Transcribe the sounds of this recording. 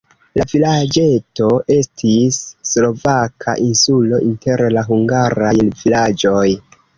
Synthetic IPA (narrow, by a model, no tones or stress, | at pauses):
lavilad͡ʒe̞to̞ʔe̞stʰisːlo̞vakʰa̰ʔinsulo̞ʔinte̞ɾlaɦuŋɡaɾajvilad͡ʒo̞j